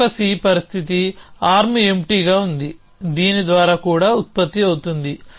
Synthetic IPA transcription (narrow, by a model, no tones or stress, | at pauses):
ɐsiːpɐɾist̪ʰit̪̬iaːɾmiemʈiːɡaːund̪i | d̪iːnid̪ʋaːɾaːkuːɽaːut̪̚pɐt̪ːiɐwut̪und̪i